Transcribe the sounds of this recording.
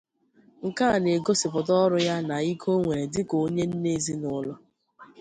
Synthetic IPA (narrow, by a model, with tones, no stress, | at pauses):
ŋ̩˨ka˦˨ne˨ɡo˦sɪ˨pʊ˨tɔ˦ɾʊ˦ja˦na˨i˦kʰo˦ŋʷe˨ɾe˨dɪ˦ko˨˦ɲe˦n̩˦ne˦zi˦nʊ˦lɔ˦